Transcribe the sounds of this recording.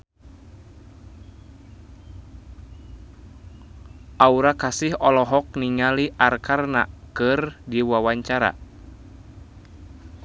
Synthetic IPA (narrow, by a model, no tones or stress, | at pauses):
ʔauɾakasihɔlɔɦɔk̚niŋaliʔarkarna̰kɨrdiwawaɲt͡ʃaɾa̰